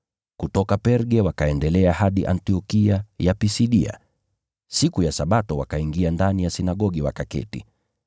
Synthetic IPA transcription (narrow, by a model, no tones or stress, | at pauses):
kutɔkapɛɾɡɛwakaɛndɛlɛahaɗiʔa̰ntiɔkiajapisiɗia̰ | sikujasaɓatɔwa̰kaiŋɡiandanijasinaɠɔɠiwa̰kakɛ̰tḭ